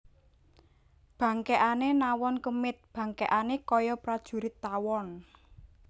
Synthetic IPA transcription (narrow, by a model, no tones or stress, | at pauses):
b̥ä̤ŋkeʔanenawɔnkəmɪt̪̚b̥ä̤ŋkeʔanekɔjɔpɾad̥ʒ̥ṳɾɪt̪ːawɔn